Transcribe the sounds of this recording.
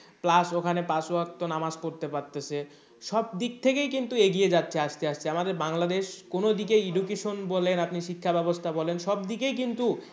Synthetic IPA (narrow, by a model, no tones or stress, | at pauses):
plasokʰanepasoak̚t̪onamaskoɾt̪epaɾt̪ːet͡ɕʰe | ʃɔb̚d̪ik̚t̪ʰekejkint̪ueɡied͡ʑatːɕʰeaʃt̪eaʃt͡ɕʰeamad̪eɾbaŋlad̪eʃkonod̪ikeiɖukeʃonbɔlenapniʃikʰːabɛbost̪ʰabɔlenʃɔbd̪ikejkint̪u